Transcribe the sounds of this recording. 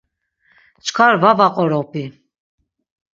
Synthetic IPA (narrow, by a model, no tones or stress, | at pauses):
t͡ʃʰkʰaɾvavaqʼɔɾɔpʰʼi